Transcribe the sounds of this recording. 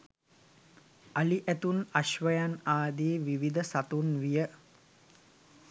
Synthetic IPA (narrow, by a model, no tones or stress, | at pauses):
aliʔæt̪unaʃʋəjanaːd̪eːʋiʋid̪əsat̪unʋijə